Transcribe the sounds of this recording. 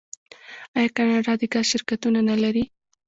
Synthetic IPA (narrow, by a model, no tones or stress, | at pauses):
ɑjɑkanɑɖɑd̪eɡazʃɪɾkat̪unanalaɾi